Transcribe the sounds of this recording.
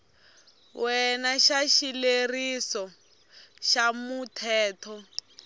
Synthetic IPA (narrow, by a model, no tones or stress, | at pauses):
wʔɛnaʃaʃilerisɔ | ʃamutʰɛːtʰɔ